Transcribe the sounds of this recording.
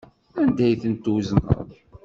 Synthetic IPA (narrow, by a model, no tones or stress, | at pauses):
ænd̪æjθənt̪uznə̰ðˤ